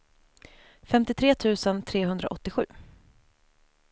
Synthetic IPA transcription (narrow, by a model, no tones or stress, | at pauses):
fɛmt̪ɪt̪ʰɾeːt̪ʰʉ̟ːsənt̪ʰɾeːɦɵnd̪ɾa̰ʔɔt̪ːɪɧʉ̟ː